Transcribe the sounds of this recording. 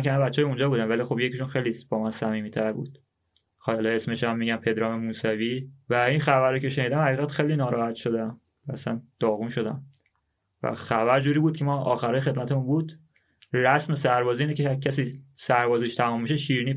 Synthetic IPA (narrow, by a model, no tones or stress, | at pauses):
nkʲʰæmebætt͡ʃːɒːjeund͡ʒɒːbuːd̪ænvælixo̞bje̞ciʃunxe̞jlib̥ɒːmænsæmiːmit̪ʰæɾbṵd̪̥ | xɒːleesme̞ʃæmːiːɟæmpʰe̞d̪ɾɒːmemuːsæviːvæinxævæɾːoːcʲʰe̞ʃe̞niːd̪æmhæɣiːɣæt̪xejliːnɒːɾɒːhæt̪ʃo̞d̪æm | væːsæ̰nd̪̥ɒːɣunʃo̞d̪æ̰m | væ̰xævæɾd͡ʒuːɾiːbuːd̪̚kʰemɒːʔɒ̰ːxæɾɒːjexe̞d̪mæt̪ʰemunbuːd̪ | ræsme̞sæɾbɒːziiːnecʰeæcʰæsiːsæɾbɒːziʃt̪ʰæmuːmːiʃeʃiːɾiniː